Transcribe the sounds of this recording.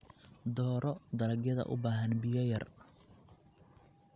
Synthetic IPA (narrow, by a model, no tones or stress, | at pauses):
d̪ɔːɾɔd̪ɐɾɐɡjɐðɐ̰ʔʊ̰baːɦɐnbɪjɐjɐr